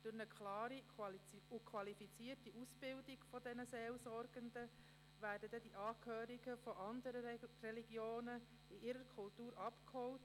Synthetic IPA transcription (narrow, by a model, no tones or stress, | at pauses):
d̥ʊɾnəkʰlɑːɾi | ukʰwɑlifit͡siːrtiʔusb̥ɪldiɡ̥fɔdɛnəseːlsɔɾɡ̥əndə | ʋæːɾdədɛdiʔɑːkʰhøːɾiɡəfɔʔɑnd̪əɾərɛliɡjoːnə | iʔɪɾəɾkʰʊltuːɾɑpkhɔlt